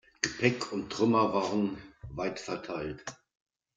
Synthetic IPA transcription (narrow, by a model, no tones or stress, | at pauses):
ɡ̥əpʰɛkʰʊnttʁ̥ʏmɐvaːʁənvaɪtfɛɐtʰaɪlt